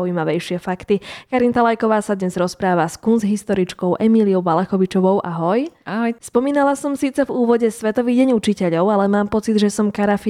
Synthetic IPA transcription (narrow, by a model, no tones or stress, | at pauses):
uiːmaʋɛjʃɪɛfakt̪ikaɾint̪alajkɔʋaːsad̪ɲɛzɾɔspɾaːʋaskunzɦist̪ɔɾit͡ʃkɔʊʔɛmiliɔʊʋalɛxɔʋit͡ʃɔʋɔʊʔaɦɔjaɦjspɔmiːnalasɔmsiːt͡sɛvuːʋɔɟɛsʋɛt̪ɔʋiːɟɛɲut͡ʃicɛʎɔʊalɛmaːmpɔt͡sid̪ʒɛsɔmkaɾafi